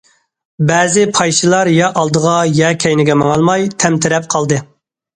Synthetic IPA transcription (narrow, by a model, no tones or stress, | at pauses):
bɛːzɪpʰɑjʃɨlˠɑɾjɑʔɑlˠd̪əʁɑjɛkʲʰɛjnɪɡʲɛmɑŋɑlˠmɑjt̪ʰɛmt̪ʰɪɾɛp̚qʰɑlˠd̪ɨ